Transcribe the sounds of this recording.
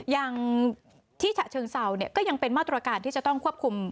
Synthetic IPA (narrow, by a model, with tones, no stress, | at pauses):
jaː˧ŋ | t̪ʰiː˥˩t͡ɕʰa˨˩t͡ɕʰɤː˧ŋsa˧wni˥˩əkɔː˥˩ja˧ŋpe˧nmaː˥˩t̪ɾa˧kaː˧nt̪ʰiː˥˩t͡ɕa˨˩t̪ɔ˥˩ŋkʰu˥˩əp̚kʰu˧m